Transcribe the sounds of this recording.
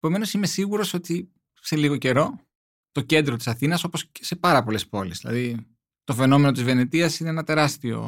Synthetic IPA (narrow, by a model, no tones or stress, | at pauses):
epo̞me̞no̞sime̞siɣuɾo̞so̞t̪i | se̞liɣo̞ce̞ɾo̞ | t̪o̞ce̞nd̪ɾot̪i̥sɐθinɐso̞po̞sese̞pɐɾɐpo̞le̞spo̞lezðilɐ̰ði | t̪o̞fe̞no̞me̞not̪izve̞net̪iɐsineenɐt̪e̞ɾɐst̪io̞̰